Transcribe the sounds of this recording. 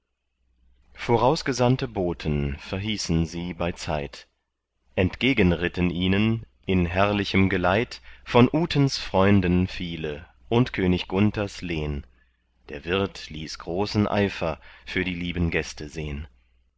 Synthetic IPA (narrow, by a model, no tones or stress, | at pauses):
foːʁaʊsɡ̥əzantəboːtʰənfɛɐɦiːsn̩ziːbaɪt͡sa̰ɪt | ʔɛntɡ̥eːɡənʁɪtnʔiːnən | ʔɪnɦɛɐlɪçəmɡəlaɪtfɔnʔuːtʰənsfʁ̥ɔʏndənfiːlə | ʔʊntkʰøːnɪçɡ̥ʊntɐsleːn | d̥eːɐvɪɐtliːsɡ̥ʁoːsn̩ʔa̰ɪfɐfyːɐɾiːliːbən̩ɡɛstʰəzeːən